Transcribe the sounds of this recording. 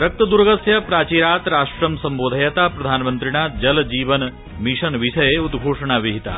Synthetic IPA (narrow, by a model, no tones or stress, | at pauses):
ɾɐk̚t̪ɐd̪uɾɡɐsjɐpɾaːt͡ʃiːɾaːt̪ɾaːʂʈɾɐmsɐmboːd̪ʱɐjɐt̪aːpɾɐd̪ʱaːnmɐnt̪ɾiɳ̃ad͡ʒɐld͡ʒiːʋɐn | miʂɐnʋiʃɐjeud̪ɡʱoːʂɐɳ̃aːʋiɦit̪a̰ː